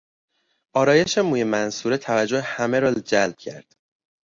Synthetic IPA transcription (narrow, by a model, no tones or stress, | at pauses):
ʔɒːɾɒːje̞ʃe̞muːjemænsuːɾet̪ʰævæd͡ʒːohehæmeɾold͡ʒælb̥̚cʰæ̰ɾd̪̥